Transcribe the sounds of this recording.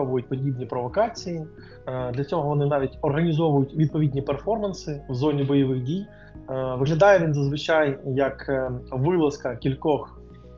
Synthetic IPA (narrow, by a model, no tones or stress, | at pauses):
ɔʋʊjʊt̚ʲpɔdʲibnʲipɾɔʋɔkɑt͡sʲiji | d̪lʲɐt͡sʲɔɦɔʋɔnɪnɑʋʲitʲɔrɦɐnʲizɔʋʊjʊtʲʋʲid̪̚pɔʋʲidʲnʲiperfɔrmɐnsɪwzɔnʲibɔjɔʋɪɣdʲij | ʋɪɦlʲɐd̪ɑjɛʋʲinzɐzʋɪt͡ʃajjɐkʋɪlˠɐskɐkʲilʲkɔx